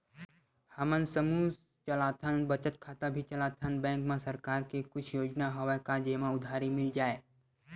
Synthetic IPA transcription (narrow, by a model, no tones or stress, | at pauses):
həmənsəmu | t͡ʃəlaːt̪ʰənbət͡ʃət̪̚kʰaːt̪abʱit͡ʃɐlaːt̪ʰənbɛ̃ːŋkmãsɐɾkaːɾkekʊt͡ʃʰjoːd͡ʒnaɦoʋekad͡ʒeːmãʊd̪ʱaːɾimɪld͡ʒaːeː